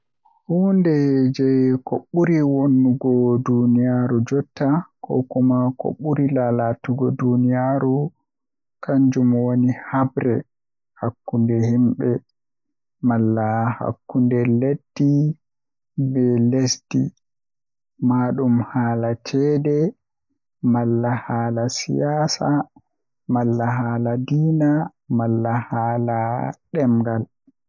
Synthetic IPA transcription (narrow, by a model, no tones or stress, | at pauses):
huːndɛd͡ʒɛkoɓːuɾiwonːuɡɔdunijaɾud͡ʒɔtːakɔ̰kɔmako̰ɓːuɾilalatuɡɔdunijaɾu | kʰaɲd͡ʒumwonihabɾɛ | hakːundɛhimɓɛ | malːaha̰kːundɛledːi | bɛlesdi | maːɗumhaːlat͡ʃʰɛːdɛ | malːahaːlasḭjaːsa | malːaɦaːladiːna | malːahaːlaɗɛmɡal